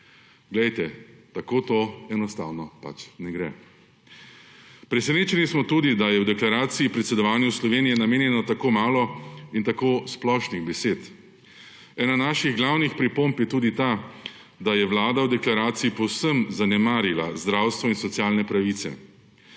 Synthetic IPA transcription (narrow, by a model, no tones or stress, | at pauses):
ɡlɛjt̪ɛt̪akoːt̪oɛnɔst̪a̰ːwnɔpa̰t͡ʃnɛɡɾɛ̰ | pɾɛsɛneːt͡ʃɛnismɔt̪uːd̪id̪ajɛwd̪ɛklaɾaːt̪siːpɾɛt̪sɛd̪ɔʋaːnjuslɔʋeːnijɛnameːnjɛnɔt̪akoːmaːlɔint̪akoːsplɔʃniɣbɛseːt̪ | ɛːnanaʃiɣɡlawnixpɾipompjɛt̪uːd̪it̪aː | d̪ajɛʋlaːd̪awd̪ɛklaɾaːt̪siipɔwsəmzanɛmaːɾila̰zd̪ɾawst̪ʋɔinsɔt̪sijaːlnɛpɾaʋit̪sɛ̰